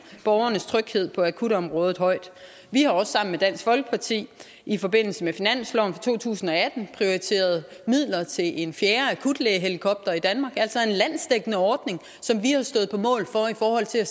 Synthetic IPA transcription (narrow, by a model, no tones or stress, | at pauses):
b̥ɒʊɐnəst͡sʰʁœɡ̥he̝ð̰ˠpʰɒ̽ækʰud̥ɒ̽mʁɔ̽ːð̞̩ˠɦɒ̽ɪ̰d̥ | ʋihɑ̈ɒ̽sːɑ̈m̰n̩med̥æn̰sɡ̥fɒ̽lɡ̥ə̥pʰɑ̈t͡sʰḭː | ʔifɒ̽b̥e̝n̰l̩səmefinæn̰slɒʊnfɑ̈t͡sʰo̝̰ːt͡sʰṵːsn̩ɒ̽æd̥n̩pʰʁio̝ʁit͡sʰe̝̰ːɐð̞ˠmið̰ˠlɐt͡sʰe̝lʔe̝nfjeːɐækʰud̥leːɦe̝likʰɒ̽b̥̚d̥ɐid̥ænmɑ̈ːɡ̥æl̰sɒ̽e̝nlæn̰sd̥eɡ̥ənəɒːd̥ne̝ŋ | sɒ̽mʋihɑ̈sd̥ɔ̽ːð̩ˠpʰɒ̽mɔ̰̽ːlfɒ̽ifɒːhɒ̽l̰t͡sʰe̝læ